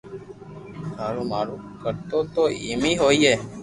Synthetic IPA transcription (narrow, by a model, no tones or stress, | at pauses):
maːɾũːmaːɾũːkəɾt̪ot̪oemiːɦoieː